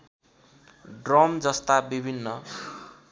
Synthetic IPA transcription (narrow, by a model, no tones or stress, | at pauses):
ɖrʌmd͡zʌst̪abibʱinːʌ